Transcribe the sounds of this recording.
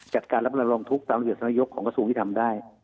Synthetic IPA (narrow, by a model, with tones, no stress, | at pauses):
t͡ɕa˨˩t̪̚kaː˧nɾa˦˥p̚a˧ɾɔ˧ŋt̪ʰu˦˥k̚t̪aː˧mɾi˨˩t̚sa˨˦na˧˥jo˦˥kʰːɔː˩˦ŋka˧suː˧ŋt̪i˥˩t̪ʰa˧mdaː˥˩j